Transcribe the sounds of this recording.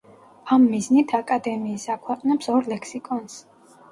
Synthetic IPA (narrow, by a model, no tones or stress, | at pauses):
amːiznit̪ʰakʼad̪ɛmiːsakʰwɛqʼnɛpsɔɾlɛksikʼɔns